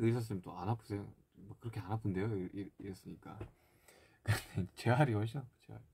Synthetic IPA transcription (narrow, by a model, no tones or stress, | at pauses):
ɯs̬ʰʌs̬͈ɯmt͈oanɦapʰɯ̥sʰe̞jo | mwʌkɯɾʌkʰe̞anapʰɯnde̞joʔiiɾʌs͈ɯɲik͈a̰ | kɯndeid͡ʑet͡ɕe̞ɦaɾiaɕ̬ʰiat͡ɕeɦa̰ɾi